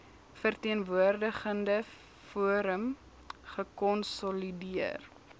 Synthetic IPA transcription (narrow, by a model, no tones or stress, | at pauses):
fərtiənvuərdəχəndə | fuəɾəm | χəkɔnsɔlidiər